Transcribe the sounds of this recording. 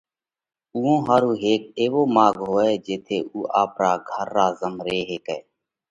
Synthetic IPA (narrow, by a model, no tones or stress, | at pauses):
uːõːɦaːɾuːɦeːk̚eːʋoːmaːɡɦoːeːd͡ʒeːt̪ʰeːʔuːʔaːpɾaːɡʱəɾːaːzəmɾeːɦeːkɛː